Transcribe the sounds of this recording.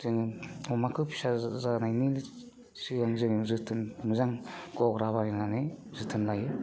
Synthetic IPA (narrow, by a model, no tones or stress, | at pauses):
z̥ɯŋɯɔmakʰɯpʰi̥sazanajnili | sɯɡaŋzɯŋɯzɯtʰɯnmɯzaŋɡɔɡɾaβaninanezɯtʰɯnlajɯ